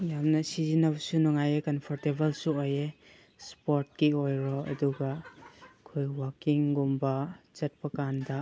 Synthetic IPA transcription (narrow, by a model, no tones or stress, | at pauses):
jamnɐsizinɐbɐsunɔŋajekɐnpʰɔɾtebɐlsuoje | spoɾt̚kiojɾɔɐ̰duɡɐ | kʰojwakiŋɡumbɐzɐt̚pɐkandɐ